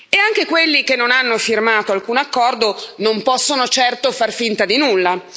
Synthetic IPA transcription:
eaŋk̟ekwelːikenːonanːofirmaːt̪oalkuːnakːɔrd̪onompɔsːonot͡ʃɛrt̪ofarfint̪ad̪inulːa

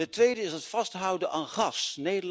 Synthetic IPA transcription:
ətʋejdəɪsɦətfɑstɦʌwdəʔaːnχɑsnejdə

